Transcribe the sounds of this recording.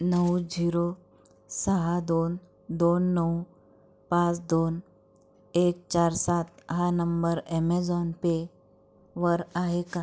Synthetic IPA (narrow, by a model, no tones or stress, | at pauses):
nəwd͡ʑiɾo | səɦad̪on | d̪onːəw | pãt͡sd̪on | ek̚t͡ɕaɾsat̪ɦanəmbəɾɛmed͡zɔnpe | ʋəɾaɦeka